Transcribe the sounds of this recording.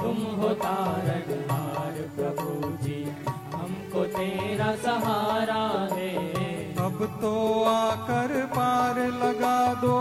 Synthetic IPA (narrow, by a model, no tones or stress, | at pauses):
t̪ʊmɦoːt̪aːɾɐɦɦaːɾəpɾɐbuːd͡ʒi | ɦɐmkot̪eːɾasɐɦaːɾad̪eː | ɐbt̪oaːkɐɾpaːɾlɐɡaːd̪o